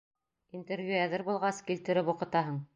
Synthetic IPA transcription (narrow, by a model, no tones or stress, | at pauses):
int̪eɾvjuæðɘɾbulˠʁɑskilt̪ɘ̆ɾɘpuqɤ̆t̪ɑɦɤɴ